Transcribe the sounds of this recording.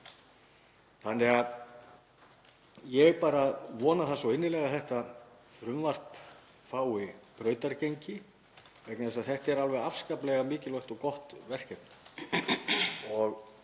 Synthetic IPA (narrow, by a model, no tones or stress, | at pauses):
θanːɛɣað | jɛpaːɾaðvɔːnaθasɔɪnːɪlɛɣaθɛht̪a | fɾʏmvar̥p | faːwɪpɾœːɥt̪aɾceɲcɪ | vɛjknaðɛsaðθɛht̪ɛɾalvɛðafskaplɛɣamɪːcɪlvœht̪ɔɣkɔht̪vɛr̥cɛpn | ɔɣ